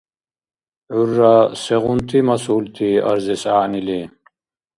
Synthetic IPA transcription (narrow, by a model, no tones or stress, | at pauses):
ʕuɾːasɛʁunt̪ʰimasuːlt̪ʰia̰ɾzɛsaːnili